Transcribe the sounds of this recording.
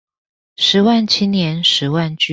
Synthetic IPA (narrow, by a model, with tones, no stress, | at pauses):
ʂɻ̩˨˧˥wa˥˩nt͡ɕʰi˥njɛ˧˥nʂɻ̩˧˥wa˥˩nt͡ɕ